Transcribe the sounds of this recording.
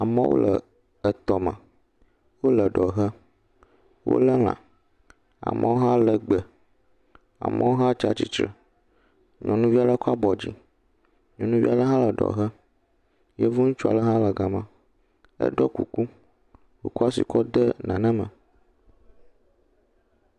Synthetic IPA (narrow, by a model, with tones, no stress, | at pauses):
a˨mə̰̃˦wo̰˦lə˨ | ə˨t̪ɔ˨mə̃˨ | wo˦lə˨ɖɔ˨ɦə˦ | wo̰˦lə˦l̃ã̰˨ | a̰˨mʔə̃˨wo˦ɦã˦lə˨ɡ͡bə˨ | a̰˨mə̃˦wo˦ɦã˦t͡ʃa˦t͡ɕi˦t͡ʃɾə̰˨ | ɲɔ̃˨nũ˦vi˦a˦lə˦kɔ˦a˦bɔ˨d͡ʑi˨ | ɲɔ̃˨nũ˦vi˦a˦lə˦ɦã˦lə˨ɖɔ̰˨ɦə˦ | je˦vu˦nu˦t͡ʃu˦a̰˨lə˦ɦã˦lə˨ɡa˨mã˨ | ə̰˦ɖɔ˦kṵ˨ku˦ | wo̰˦kɔ˦a˦sḭ˨kɔ˦d̪ə˦nã˨nə̃˦mə̃˨